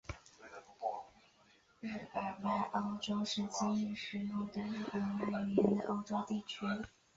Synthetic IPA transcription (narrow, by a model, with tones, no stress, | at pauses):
ɻ̩˥˩pə˨˩pa˥˩ɪʔo˥ʊʈ͡ʂo˥ʊʂɻ̩˥˧t͡ɕi˥˧i˥˩ŋʂɻ̩˧˥lu˥˩d̪ə˩ɻ̩˥˩kə˨˩˥nwa˥˩ji˨˩jɛ˧˥nd̪ə̰˧ʔo˥ʊʈ͡ʂo˥ʊt̪i˥˩t͡ɕʰy˥